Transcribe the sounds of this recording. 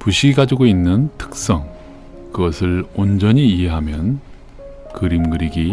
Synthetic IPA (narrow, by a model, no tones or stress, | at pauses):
puɕʰiiɡad͡ʑiɡoinːɯntʰɯ̥k̚s͈ʌŋ | kɯɡʌsʰɯɭond͡ʑʌɲiːɦeɦamjʌn | kɯɾimɡɯɾiɡi